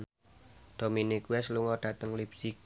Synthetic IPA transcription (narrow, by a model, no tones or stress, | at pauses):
d̪̥o̤minikuɛsluŋɔɖ̥ä̤t̪əŋlibsik̚